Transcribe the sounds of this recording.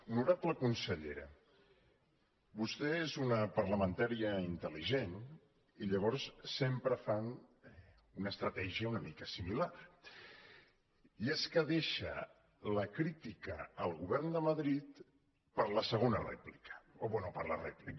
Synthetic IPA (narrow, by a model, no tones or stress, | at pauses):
unuɾapləkunsəʎḛɾə̰ | bust̪ɛezunəpəɾləmənt̪aɾiəint̪əliʒen | iʎəβɔɾssempɾəfan | unəst̪ɾət̪ɛʒiəunəmikəsimilaɾ | ieskəðeʃə̰ | ləkɾit̪ikəːlˠɣuβɛrnd̪əməðɾit̪ | pəɾləsəɣ̞onərɛ̰plikə̥oβwɛnupəɾlərɛ̰plik